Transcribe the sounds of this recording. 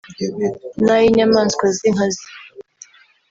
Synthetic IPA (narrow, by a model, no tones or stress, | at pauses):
najiɲamaːnskwaziŋ̥azi